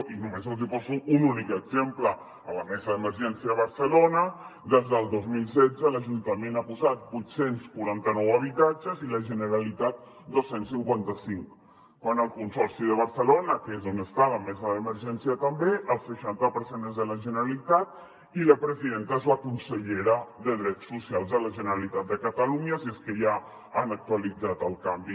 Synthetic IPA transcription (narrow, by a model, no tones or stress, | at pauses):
inumezəlˠzipɔzuːnunikəɡzemplə | ələmɛzəðəməɾʒɛnsiaβəɾsəlonəd̪ezðəlˠd̪ozmilˠsɛd͡zələʒunt̪əmẽnapuzat̪̚bujt̪senskuɾant̪ənɔwəβ̞it̪ad͡ʒəziləʒənəɾalit̪at̪̚ | d̪osenssiŋkwant̪əsiŋkː | wanəlˠkunsɔɾsiðəβ̞əɾsəlonəkezonəst̪aβəmɛzaðəməɾʒɛnsiət̪əmbeʔəlˠsəʃant̪əpəɾsenəzðələʒənəɾalit̪at̪̚ | iləpɾəziðent̪əezləkunsəʎeɾəðəðɾɛt̪sːusialˠzələʒənəɾalit̪at̪̚d̪əkat̪aluɲasieskəʒa | anak̚t̪ualid͡zat̪əlˠkambi